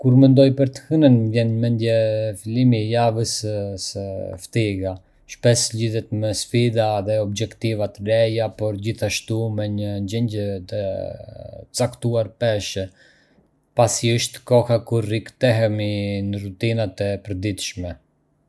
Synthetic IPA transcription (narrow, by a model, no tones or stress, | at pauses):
kuɾmɛnd̪ɔjpəɾt̪ə̥hənənvjɛnmɛnd̪jɛfilimijavəssəft̪iɡa | ʃpɛsʎiðɛt̪mɛsfid̪aðɛɔbd͡ʒɛkt̪ivat̪əɾɛjapɔɾd͡ʑiθaʃt̪umɛɲəɲd͡ʑɛɲɟət̪ə | t͡sakt̪uaɾpɛʃɛ | pasiəʃt̪kɔhakuɾːikt̪ɛɦɛminərut̪inat̪ɛpəɾd̪it̪ʃmɛ